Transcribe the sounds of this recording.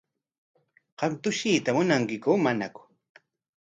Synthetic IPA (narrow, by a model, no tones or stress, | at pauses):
qɑmt̪ʊʃiːt̪amʊnaŋkɪkuːmanakʊ̥